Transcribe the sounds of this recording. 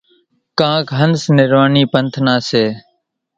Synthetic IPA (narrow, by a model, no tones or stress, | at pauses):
kãːkɦənsnɪɾʋaːniːpənt̪ʰnaːseː